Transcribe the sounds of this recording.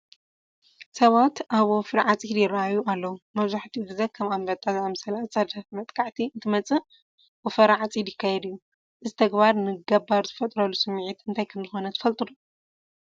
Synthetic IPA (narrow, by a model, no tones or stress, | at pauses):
sɐβat̪ʔaβofɨɾʕat͡sʼid̪jɪrːaajːuʔalːɐwumɐβzaħt̪ʰiɡɨzɐkʰɐmambɐt̪ʼazamsɐlat͡sʼɐd̪ɐmɐt̪ʼkʰaʕt̪ʰiɨnt̪ʰɨmɐt͡sʼɨ | wofɐɾʕat͡sʼid̪jɪkʰːajɛd̪ɨjːu | ʔɨzit̪ʰɐɡbaɾnɨɡɐbaɾzɨfɐt̪ʼɾɐlusɨmːʕit̪ɨnt̪ʰajkʰɐmzɨxo̞nɐt̪ʰɨ̥fɐlt̪ʼɨdu